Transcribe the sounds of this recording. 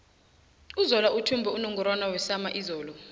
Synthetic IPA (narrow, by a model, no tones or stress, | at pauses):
uzɔlautʰumbʱɛunɔŋɡɔɾwanawɛsamaʔizɔːlɔ